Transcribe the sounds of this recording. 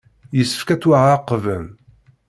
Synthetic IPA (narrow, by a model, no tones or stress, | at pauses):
jəsːə̥fkæt͡sːwaʁaqːvən